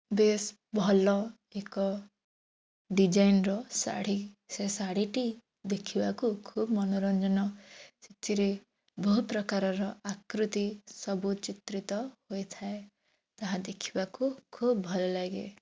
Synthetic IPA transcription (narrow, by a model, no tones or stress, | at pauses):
bes | bʱɔlɔ | ekɔ | ɖid͡ʒajnɾɔsa̰ɽ̤i | sesaɽiʈi | d̪ekʰibakukʰubmɔnoɾɔnd͡ʒɔnɔsit̪iɾe | bɔɦupɾɔkaɾɔɾɔakɾut̪isɔbut͡ʃit̪ɾit̪ɔhojt̪ʰae | t̪aɦãd̪ekʰi̥bakukʰubbʱɔlɔlaɡḛ